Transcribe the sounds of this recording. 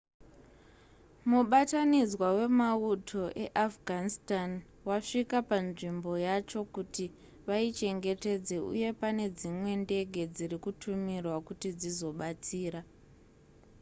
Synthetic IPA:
muɓatanid͡zwawe̞mautʰo̞ʔe̞ʔafɡʱanistan | waʂikapanʐimbo̞jat͡ʃo̞kuti | ʋait͡ʃe̞ŋɡe̞te̞d͡ze̞ṵje̞pane̞d͡zimwe̞nde̞ɡʱe̞d͡zirikutʰumirwakutid͡zizo̞ɓat͡siːɾa

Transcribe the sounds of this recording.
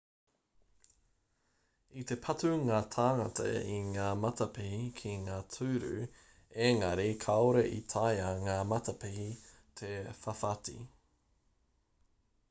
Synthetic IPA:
it̪e̞pʰɐtuŋaːt̪ʰaːŋɐt̪ʰɐ̰iŋaːmɐt̪ɐpihikʰiŋaːtʰʉːɾʉ̰ | eŋɐɾikʰɐoɾeʔḭt̪ʰajɐŋaːmɐt̪ɐpihi | t̪ʰefɐfatḭ

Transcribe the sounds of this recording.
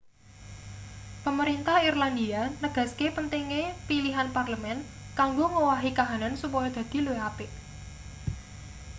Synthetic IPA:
pəməɾint̪ahirland̪ianəɡ̥ä̤skepənt̪iŋepiliɦanparləmɛn | kaŋɡoŋowaɦikaɦanansupɔjɔd̪̥ä̤d̪̥i̤lueap̪eʔ

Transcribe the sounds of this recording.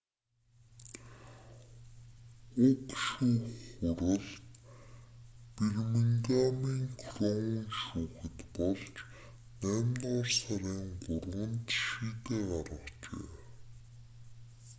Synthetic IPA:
ʊk̪ʃuːxʊɾə̆ɮt̪ | pirmiŋɡamiːŋkʰrɔŋiːʃuːxɘ̆t̪pɔɮt͡ɕ | næːmnɔːrsaɾiːŋɢʊrʁə̆nt̪ʃiːt̪eːɢarʁə̆χt͡ɕḛː

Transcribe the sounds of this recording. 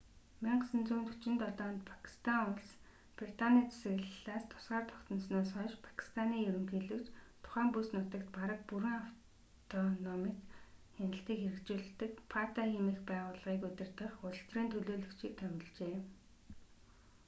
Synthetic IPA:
miɴɢəsə̆nt͡suːnt̪ʰu̥t͡ɕɪ̆nt̪ɔɮɔːnt̪̚pʰḁkʰi̥st̪ʰaŋʊɮs | prit̪ʰaniːt͡sʰe̥sɘ̆ɣɮɮaːst̪ʰʊ̥sɢaːrt̪ʰɔ̥kt̪ə̆nsnoːsχɔːʃpʰḁkʰi̥st̪ʰaniːjɵɾɵ̆mxiːɮɘ̆kt͡ɕt̪ʰʊ̥χæːmpusnʊːt̪ə̆kt̪paɾə̆k̚puɾɘ̆ŋaf | t̪ʰɔnɔmit̪xænɪ̆ɬt̪iːkxeɾɘ̆kt͡ɕuːɮ̆t̪ɘ̆kpʰart̪aximĭxpæːʁʊːɮʁiːkɵt̪ʲɪ̆rt̪ə̆χʊɮə̆ɬt̪riːnt̪ʰɵɮoːɮɵ̆kt͡ɕiːk̚t̪ʰœmʲɪ̆ɮt͡ɕeː

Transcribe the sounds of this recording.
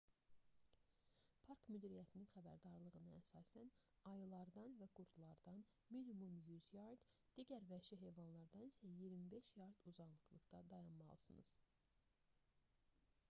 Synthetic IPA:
pʰɑɾkmyd̪iɾijæt̪ʰininxæbæɾd̪ɑɾlˠɯʁɯnɯæsɑːsænɑjɯlˠɑɾd̪ɑnvæɡ̥uɾd̪lˠɑɾd̪ɑn | minimumjyzjɑɾd̪d̪̥iɟæɾvæʃiɦe̞jvɑnlˠɑɾd̪ɑnisæjiɾmibe̞ʃjɑɾd̪uzɑnlˠɯklˠɯɡd̪ɑd̪ɑjɑnmɑ̰lˠɯsɯnɯ̰z̥

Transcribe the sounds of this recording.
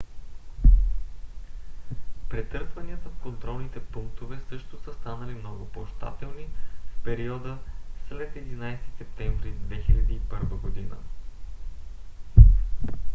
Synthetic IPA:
pɾɛt̪ɤɾsvɐniət̪əfkont̪ɾɔlˠnit̪ɛpuŋk̚t̪ovɛsɤʃt̪ʊsəst̪anəlimnɔɡʊpoʃt̪a̰t̪ɛlˠnifpɛɾiɔd̪əslɛt̪ɛd̪inajst̪i̥sɛp̚t̪ɛɱvɾid̪vɛxilʲɐd̪iːpɤɾvəɡod̪inə̰

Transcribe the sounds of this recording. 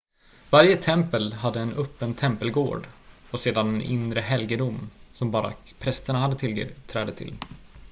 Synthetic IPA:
vaɾjət̪ʰɛmpəlɦad̪ːəɛnœpːənt̪ʰɛmpəlɡo̰ːɖ | ɔseːd̪anɛnʔɪ̰nɾəɦɛlɡəd̪ʊmsɔmbɑːɾa̰ | pʰɾɛst̪əɳahad̪ːət̪ʰɪlɡə̰ːɾt̪ʰɾɛːd̪ət̪ʰɪ̰l

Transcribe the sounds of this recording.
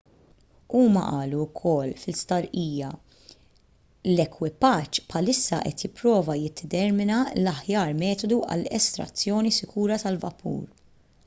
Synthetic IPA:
uːmɐ̰ʔɐːluːkʰɔlːfɪlst̪ɐɾʔiːjɐ | lɛkwɪpɐt͡ʃːpħɐlɪsːɐʔɛ̰t̪jɪpɾɔːvɐjɪd̪ːɛt̪ɛɾmɪnɐlɐħjɐːɾmɛːt̪ɔd̪uʔɐ̰lɛst̪ɾɐ̰t͡sːjɔːnisɪkuːɾɐt̪ɐlvɐ̰pʰṵːɾ

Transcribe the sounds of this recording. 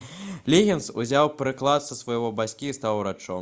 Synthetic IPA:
lʲeɣʲɛnsuzʲawpɾɨklˠat̪sɐsvɐjɣɔbasʲkʲiːst̪awɾat͡ʂɔ̰

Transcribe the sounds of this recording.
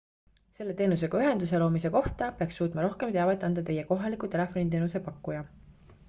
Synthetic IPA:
se̞lːe̞t̪e̞ːnus̬e̞ɡ̥ɑyɦe̞nd̪use̞lo̞ːmise̞ko̞ht̪ɑpeɑksːuːt̪ˑmɑɾo̞hke̞mt̪eɑvet̪ːˑɑnd̪̥ɑt̪e̞jeko̞ɦɑlikːˑut̪e̞le̞fˑo̞nit̪e̞ːnusepɑkːujɑ

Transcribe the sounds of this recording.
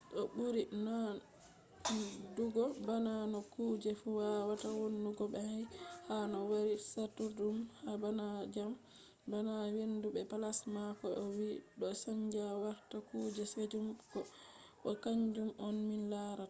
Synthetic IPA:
ɗɔbuɾina | duɡɔbananɔkuːd͡ʒɛfuwawatawonduɡɔbɛhajhanɔwaɾisatːudumhabanad͡ʒam | banawendubɛpalasmakɔʔɔwiɗɔsaɲd͡ʒawaɾtakuːd͡ʒɛsed͡ʒumkɔ | ʔɔkaɲd͡ʒumɔnminlaɾat

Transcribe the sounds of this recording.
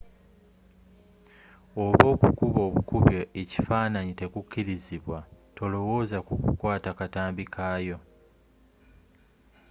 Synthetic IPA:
o̞βo̞ːkukuβo̞ːβukuβjeʔeci̥faːnaɲite̞kucːiɾiziβwatʰo̞lo̞wo̞ːzakukṵkwaːtakataːmbikʰaːjo̞

